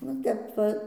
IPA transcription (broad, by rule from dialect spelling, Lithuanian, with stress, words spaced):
ʋɐ ˈtʲɛp ʋɐ